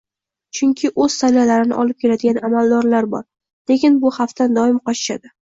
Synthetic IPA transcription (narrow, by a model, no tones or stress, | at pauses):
t͡ʃʰʊŋkʲʰɪʔɵz̥sanalaɾɪnɪ̰ʔɒlɪp̚kʲʰe̞lad̪ɪɡʲanamalˠd̪ɒɾlaɾbɒ̰ɾ | le̞kʲɪnbʊhaft̪ʰand̪ɒɪmqɒt͡ʃɪ̥ʃa̰d̪ɪ